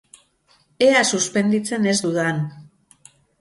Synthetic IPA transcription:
e̞asuspe̞nd̪it͡se̞ne̞zd̪uðan

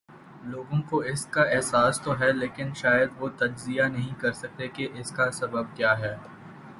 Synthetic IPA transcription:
loːɡõkoɪskaɛɦsaːst̪oɦɛleːkɪnʃaːjəd̪ʋot̪ɐd͡ʒzijanɐɦĩkɐɾsɐk̚t̪ekeʔɪskasɐbəb̚kjaːɦɛː

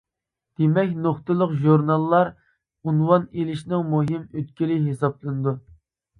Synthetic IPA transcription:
d̪̥emɛkʲnoχt̪ɨlˠəqʒuɾnɑlˠːɑɾ | unwɑnelɪʃnɨŋmuɦimøt̪̚kʲilɪɦesɑplˠɨnɨd̪u

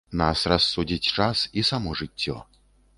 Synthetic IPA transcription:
na̰srɐsːudʲitʲt͡ʂasisamɔʐɨtʲːɔ̰

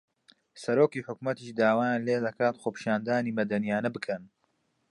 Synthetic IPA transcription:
sɐɾoːkiːħʊkmɐt̪iːʃd̪aːwaːjanleːd̪ɐkʰaːt̪xoːpʰi̥ʃaːnd̪aːniːmɐd̪ɐnijaːnɐbɨkʰɐn

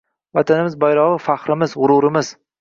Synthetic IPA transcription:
vat̪ʰanɪmɪzbajɾɒʁɨfaχɾɪmɪzʁʊɾʊɾɪmɪz̥

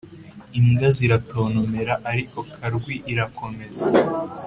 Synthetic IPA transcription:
iŋɡaziɾato̞ːnome̞ɾaʔaɾiko̞kʰaɾɡwiʔiɾako̞me̞za

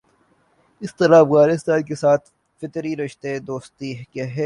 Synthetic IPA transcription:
ɪst̪ɐɾabɣaːlɪst̪aːlkesaːt̪ʰ | fɪt̪ɾiɾɪʃt̪ed̪oːst̪iɦkaɦɛː

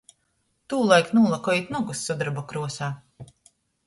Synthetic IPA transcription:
t̪uːlˠajknuːlˠakɔːit̪nɔɡusːɔd̪ɾbɔkɾuɔsaː

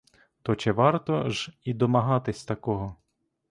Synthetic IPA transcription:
t̪ɔt͡ʃɛʋɑrt̪ɔʒid̪ɔmɐɦɑt̪ɪsʲt̪ɐkɔɦɔ

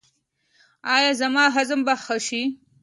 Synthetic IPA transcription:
ɑːjɑːzamɑːɦazmbaxaʃi

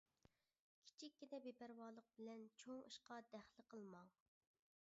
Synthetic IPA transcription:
kʲʰi̥t͡ʃʰikʲːid̪ɛbepæɾwɑːlˠəq̚bɪlɛnt͡ʃʰoŋɨʃqɑd̪æχlˠɨqʰəlˠmɑŋ

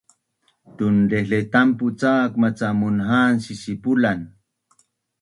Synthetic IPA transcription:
t̪undeɬet̪amput͡saːkmat͡samunɦaːnsisipulan

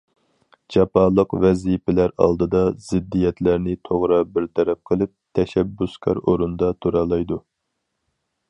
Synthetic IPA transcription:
d͡ʒɑpɑːlˠəqvɛzipɪlæɾɑ̰lˠd̪ɨd̪ɑz̥ɪd̪ːijɛt̪ʰlæɾnɪt̪ʰoʁɾɑbɪɾt̪ʰɛɾɛp̚qʰəlˠɪp̚t̪ʰɛʃɛbːuskʲʰɑ̰ɾoɾund̪ɑt̪ʰuɾɑlˠɑjd̪u

